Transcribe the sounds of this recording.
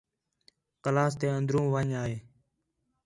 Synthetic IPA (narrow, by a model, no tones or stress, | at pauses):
kəlaːst̪eːənd̪ɾũːʋaːɲaːɦeː